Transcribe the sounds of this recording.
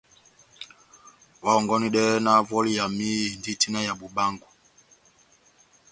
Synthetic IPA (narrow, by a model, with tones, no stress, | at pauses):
wa˨˦ɔ˨ŋɡɔ˦ni˦ɗɛ˦na˦vɔ˦li˦ja˨mi˦˨ndi˦˨ti˦na˦ja˨ɓu˨ba˦ŋɡu˨